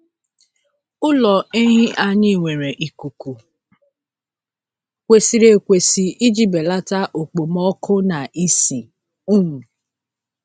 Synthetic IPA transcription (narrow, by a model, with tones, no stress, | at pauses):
ʊ˦lɔ˨e˦ɦɪ˦ʔa˦ɲɪ˦˨ŋʷe˨ɾe˨ʔi˨ku˨ku˨ | kʷe˨si˨ɾe˨kʷe˨si˨i˦d͡ʒi˦be˨la˦ta˦ʔo˨k͡po˨mɔ˦kʰʊ˦na˨ʔi˦si˨ | u˦ŋu˨